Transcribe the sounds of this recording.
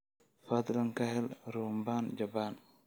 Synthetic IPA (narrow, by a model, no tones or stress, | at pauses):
fɐd̪lɐŋkɐɦɛlɾuːmbaːnd͡ʒɐbaːn